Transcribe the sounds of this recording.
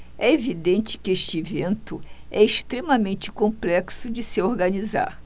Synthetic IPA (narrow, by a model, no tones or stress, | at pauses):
ɛevid̪ẽnt͡ʃɪ̥kɪeʃt͡ʃɪevẽnt̪ʊɛɪst̪ɾemɐmẽnt͡ʃɪ̥kõmplɛksʊd͡ʒɪsɪoɾɡɐniza̰ɾ